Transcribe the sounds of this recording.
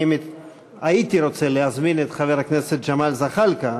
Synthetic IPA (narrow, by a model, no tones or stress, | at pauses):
m | ait̪iɾo̞t͡seleazminet̪χaveʁakneset̪̚d͡ʒamalzaχalka